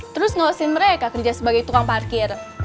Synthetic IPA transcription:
t̪əɾʊsŋawasɪnməɾekakərd͡ʒasəbaɡejt̪ukaŋparkɪr

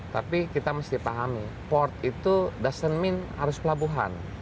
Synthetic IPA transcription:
t̪a̰pikit̪aməst̪iipaɦami | pɔrt̪̚it̪udasənmɪnha̰ɾʊspəlabuɦa̰n

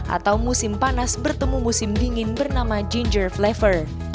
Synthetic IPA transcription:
ʔa̰t̪awmusɪmpanasbərt̪əmumusɪmdiŋɪnbərnamad͡ʒind͡ʒərflɛfər

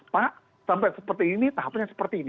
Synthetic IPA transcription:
paʔ | sampɛʔsəpərt̪iinit̪aɦapɲasə̥pərt̪iːn

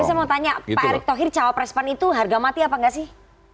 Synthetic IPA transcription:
saɛmat̪aɲapaaɾɪk̚t̪oɦɪrt͡ʃawapɾɛspanit̪uɦarɡamat̪iapaŋɡaʔsɪh

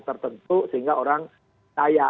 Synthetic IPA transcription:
t̪ərt̪ənt̪usəɦiŋɡaoɾaŋ | kaja

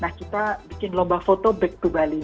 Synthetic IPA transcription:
nahkit̪abikɪnlɔmbahfot̪obɛk̚t̪ubali

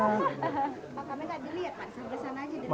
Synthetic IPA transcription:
ɦə | akamɛɡadiliat̪̚madisarɡasanaːd͡ʒadi

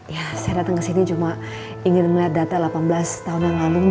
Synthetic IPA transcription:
jasajadat̪aŋkəsinit͡ʃuma | iŋɪnməliat̪̚dat̪alapanbəlast̪aɦʊnjaŋlanʊŋ

